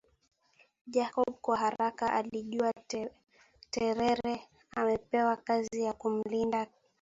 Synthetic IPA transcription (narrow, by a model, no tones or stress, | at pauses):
ʄakɔɓkwaɦaɾakaʔaliʄua | tɛɾɛɾɛ | amɛpɛwakazijakum̩linda